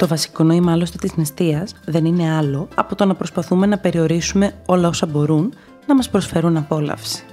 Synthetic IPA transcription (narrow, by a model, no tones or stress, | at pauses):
t̪o̞vɐsi̥ko̞noimɐlost̪et̪iznist̪iɐzðe̞nine̞ɐlo̞ɐpo̞t̪o̞nɐpɾo̞spɐθume̞nɐpe̞ɾio̞ɾisume̞o̞lɐo̞sɐbo̞ɾun | nɐmɐspɾo̞sfe̞ɾunɐpo̞lɐ̰fsi̥